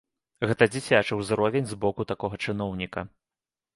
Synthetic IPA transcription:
ɣɛt̪ɐd͡zʲit͡sʲat͡ʂɨwzɾɔvʲenʲzbɔkut̪akɔɣɐt͡ʂɨnɔwnʲikɐ

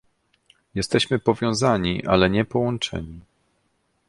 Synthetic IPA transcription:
jɛst̪ɛɕmɘpɔvʲjɔ̃w̃zaɲiʔalɛɲɛpɔwɔnt͡ʂɛ̰ɲi

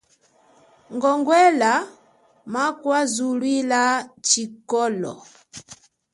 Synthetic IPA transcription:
ŋɡɔŋɡwɛla | makwazulwilat͡ʃikɔlɔ̰

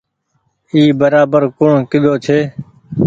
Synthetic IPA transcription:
iːbəɾaːbəɾkʊɳkɪd̪ʱoːt͡ʃʰeː

